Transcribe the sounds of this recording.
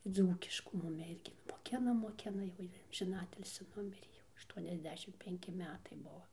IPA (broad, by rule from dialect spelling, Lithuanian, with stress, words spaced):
ˈd͡zuːkʲɪʃkuː ˈmʊmʲɪ ˈɪrʲɡʲɪ nʊ moːˈkʲɪnɐ moːˈkʲɪnɐ jɛʊ ˈjiː ɐmʲʒʲɪˈnɑːtʲɪlʲsʲɪ ˈnʊmʲɪrʲeː jɛʊ ɐʃˌtuɔnʲɛzʲˈdʲæːʃʲɪm pʲɛŋʲˈkʲɪ ˈmʲæːtɐɪ ˈbuɔ